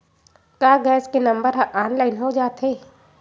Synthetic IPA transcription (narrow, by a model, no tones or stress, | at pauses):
kaːɡɛːskenɐ̃mbəɾɦʔaːnlaːɪnɦod͡ʒaːt̪ɦeː